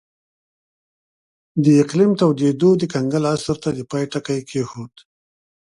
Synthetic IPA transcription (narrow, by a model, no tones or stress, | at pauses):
d̪əɪqlimt̪awd̪ed̪od̪əkaŋɡalasɾt̪ad̪əpɑjʈakajkʰehut̪